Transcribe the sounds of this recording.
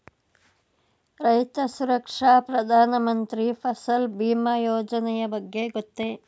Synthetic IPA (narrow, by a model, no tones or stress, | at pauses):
ɾɐjt̪ɐsuɾɐkʂaːpɾɐd̪ʱaːnɐmɐnt̪ɾipʰɐsɐlbiːmaːjoːd͡ʒɐnɛjɐbɐɡːeɡot̪ːe